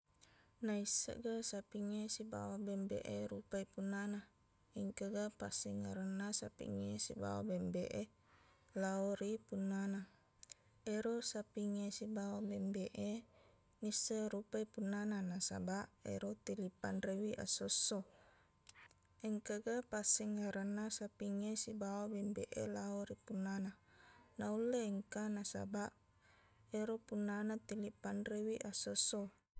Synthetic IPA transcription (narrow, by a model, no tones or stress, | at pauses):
naisːa̰ʔɡasapiŋesiba̰wabembḛʔeɾupaipunːana | iŋkaɡapasiŋaɾənːasapḭŋesiba̰wa̰bembḛʔe | laoɾipunːana | eɾosapiŋesibawabembeʔe | nisːəɾupaipunːananasa̰baʔḛɾot̪ilipanrewiʔa̰sosːo | ɛŋkaɡapasɛŋːaɾanːasapiŋesibawabɛmbeʔḛlaoɾipunːananaulːeːŋkanasa̰baʔ | eɾopunːanat̪ilipanrewiʔasosːo